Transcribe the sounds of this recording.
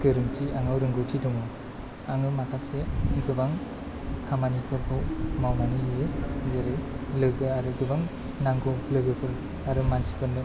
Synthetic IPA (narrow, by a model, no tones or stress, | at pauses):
ɡɯɾɯŋtʰiaŋawɾɯŋɡɯwtʰidɔŋɯ | aŋɯmakʰaseɡɯbaŋ | kʰamanipʰɯɾpʰɯwmawnanizezeɾɯjlɯɡɯaɾɯɡɯbaŋ | naŋɡowlɯɡɯpʰɯɾ | aɾɯmansi̥pʰɯɾnɯ